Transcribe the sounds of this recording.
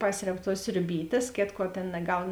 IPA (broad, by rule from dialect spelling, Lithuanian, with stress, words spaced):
ˈpɑːsʲrʲɛp tuɔs sʲrʲʊˈbʲiːtʲeːs ˈkʲeːtˌkuɔ ˈtʲeːn nɐˈɡɐʊn